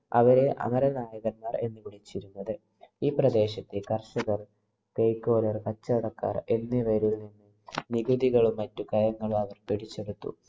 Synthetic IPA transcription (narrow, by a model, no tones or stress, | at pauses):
ɐʋɐɾe̞ʔɐ̰mɐɾɐnaːjɐɣɐrmaːre̞̰nːɨʋiɽit͡ɕːiɾunːɐðɨ | iːprɐd̪e̞ːɕɐt̪ːikɐrʂɐɣɐr | kejkːo̞ːlɐrkɐt͡ɕːɐɐɽɐkːa̰ːre̞nːiʋɐɾilninːɨ | niɡud̪iɣɐɭumːɐtːukɐjɐŋːɐɭumɐʋɐrpiɽit͡ɕːeɽut̪ːṵ